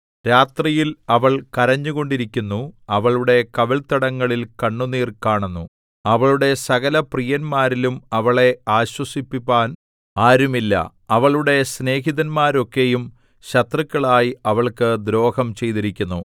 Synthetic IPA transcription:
ɾaːt̪rijilɐʋɐɭkɐɾɐɲːuɣo̞ɳɖiɾikʲːunːuɐʋɐɭuɽe̞kɐʋɐlt̪ɐɽɐŋːɐɭilkɐɳːuniːrkaːɳunːu | ɐʋɐɭuɽe̞sɐɣɐlɐprijɐnmaːɾilumɐʋɐɭe̞aːɕwɐsipːipːaːn | aːɾumilːɐ̰ | ɐʋɐɭuɽe̞sne̞ːɦiðɐnmaːɾo̞kːe̞jum | ɕɐt̪rɐkːɐɭaːjiɐʋɐɭkɨd̪ɾo̞ːhɐmt͡ɕe̞jt̪iɾikʲːunːu

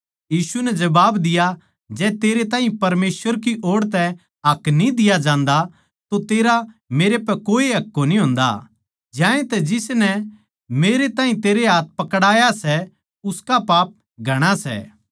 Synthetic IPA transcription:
jiːsunɛd͡ʒɐbaːbd̪ɪja | d͡ʒɛːt̪eːɾet̪ãːɦĩpɐɾmeːsʋəɾkiʔoːɽt̪̬ɛ | ɐknĩd̪ɪjad͡ʒãːnd̪a | t̪ot̪eːɾameːɾepɛkoːiɦɐkːonĩɦʊ̃ːnd̪a̰ | d͡ʒjãːẽt̪ɛd͡ʒɪsnɛ | meːɾet̪ãːɦĩt̪eːɾeɦaːt̪̚ʰpɐkɽaːjasɛ | ʊskapaːp̚ | ɡʱɐɽ̃asɛ̰ː

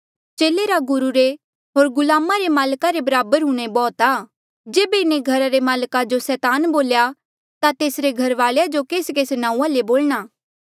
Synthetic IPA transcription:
t͡ʃeːleɾaɡʊɾuɾe | ɦoːɾɡʊlaːmaɾemaːlkaɾebɐɾaːbəɾɦũɽ̃ebɔːt̪aː | d͡ʒeːbeɪnẽɡʱɐɾaɾemaːlkad͡ʒosɛːt̪aːnboːlja | t̪at̪eːsɾeɡʱɐɾʋaːɭjad͡ʒokeːskeːsenãːũːãleboːlɽ̃aː

